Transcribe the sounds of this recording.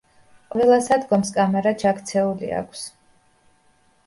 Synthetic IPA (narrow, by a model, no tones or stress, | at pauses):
qʼvɛlˠasad̪ɡɔmskʼamɛɾat͡ʃʰakt̪sʰɛulḭa̰kʷʰs